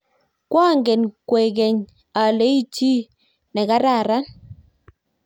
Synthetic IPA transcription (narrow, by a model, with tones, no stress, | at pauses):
kwa˦˨ŋɡɛ˨nkwɛ˨kɛ˨ɲ | a˨le˨˦i˦t͡ʃi˦ | nɛ˨ka˦ɾa˦˨ɾa˦n